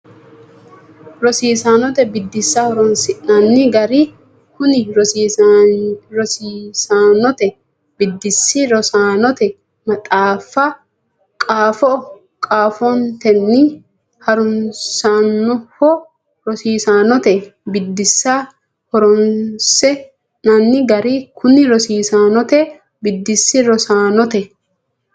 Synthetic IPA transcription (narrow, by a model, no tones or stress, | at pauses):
ɾɔsiːsaːnɔt̪ɛbɪd̪ːɪsːahɔɾɔnsɪʔnɐnːɪɡɐɾɪ | hʊnɪɾɔ | ɾɔsiːsaːnɔt̪ɛ | b̥ɪd̪ːɪsːɪɾɔsaːnɔt̪ɛ | mɐt̪ʼaːfːɐ | kʼaːfɔ | kʼaːfɔnt̪ɛnːɪ | hɐɾʊnsaːnːɔhɔ | ɾɔsiːsaːnɔt̪ɛbɪd̪ːɪsːa | hɔɾɔnsɛ | nɐnːɪɡɐɾɪkʰʊnɪɾɔsiːsaːnɔt̪ɛ | bɪd̪ːɪsːɪɾɔsaːnɔt̪ɛ